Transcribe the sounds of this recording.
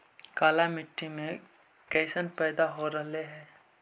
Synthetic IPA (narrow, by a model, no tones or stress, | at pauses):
kaːlamɪʈʰːimẽ | kɛɪsənpɛːd̪aɦoɾɐɦleɦɛ̃ː